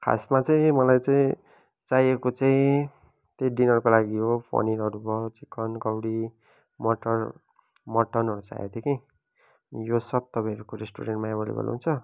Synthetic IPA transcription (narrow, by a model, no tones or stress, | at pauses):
kʰa̰smat͡saĩmʌlajt͡saĩ | t͡sajekot͡saĩ | t̪eɖinʌrkolaɡiɦopʰo̰ninʌɾubʌt͡sikʌnkʌwɽi | mʌʈʌr | mʌʈʌnʌɾut͡sa̰jḛd̪ekʰĩ | ʌnijosʌb̚t̪ʌbãʌɾukoɾesʈuɾeɳʈmajabʌlḭbo̰l̰ɦunt͡sʰʌ